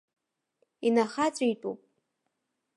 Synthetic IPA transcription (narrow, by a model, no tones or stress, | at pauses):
inaχat͡sʷʼiitʼṵpʼ